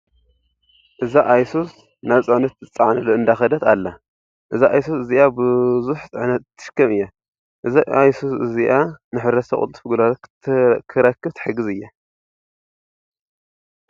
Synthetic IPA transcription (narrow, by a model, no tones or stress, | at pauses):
ʔɨzaʔajsos | naβt͡sʼaʕnɐt̪zɨt͡sʼːaʕnɐloɨnd̪axɐd̪ɐt̪alːa | ʔɨzaʔajsosɨziʔabɨzuħt͡sʼɨʕnɐt̪ːɨ̥ʃɨ̥kːɐmɨjːa | ʔɨzaajsosɨziʔanɨħɨɾɐsɐkʼṵlt̪ʼfɨɡulalʰ | kʰɨɾɐkʰːɨβt̪ʰħɨɡɨzɨjːa